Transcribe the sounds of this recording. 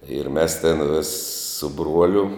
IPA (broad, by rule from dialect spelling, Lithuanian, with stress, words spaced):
ɪr mʲɛs tʲɪn ʋʲɪs sʊ ˈbruɔlʲʊ